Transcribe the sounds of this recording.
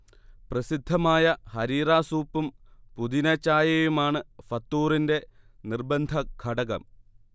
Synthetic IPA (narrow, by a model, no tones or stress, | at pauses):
prɐsid̪ʱːɐmaːjɐhɐɾiːraːsuːpːumpud̪inɐt͡ɕːaːjɐjumaːɳɨfɐt̪ːuːrinde̞ | nirbɐnd̪ʱɐɡʱɐɽɐɣɐ̰m